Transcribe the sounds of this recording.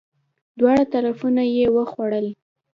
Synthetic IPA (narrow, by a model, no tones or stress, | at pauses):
d̪wɑɽat̪aɾafunajewəxwaɽəl